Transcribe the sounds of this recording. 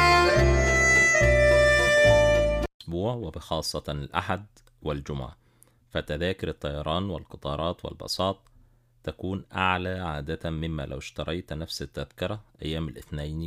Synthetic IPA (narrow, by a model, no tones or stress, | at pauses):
ʔʔsbuːʕwɪbɪxɑːsˤːɑɪlʔa̰ħad̪ | wɪld͡ʒʊm̰ʕa̰ | fæt̪æðæːkɪɾɨt̪ˤːɑjɑɾˤɑːnwɪlqɨt̪ˤɑːɾˤɑːt̪wɪ̰lbɑ̰sˤɑːt̪ˤ | t̪ːækuːnʔaʕlaːʕaːd̪at̪mɪmːæ̰ːla̰wɪʃt̪ɑɾˤʔɑjt̪nafsɪt̪ːaðkɪɾˤɑʔæ̰jːæːmalʔɪθnajn